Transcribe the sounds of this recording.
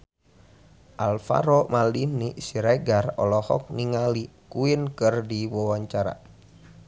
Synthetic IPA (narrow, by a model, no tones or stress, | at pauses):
ʔalfa̰ɾɔmalinisiɾɛɡarɔ̰lɔhɔ̰k̚niŋalikuinkɨrdiwɔwaɲt͡ʃaɾa̰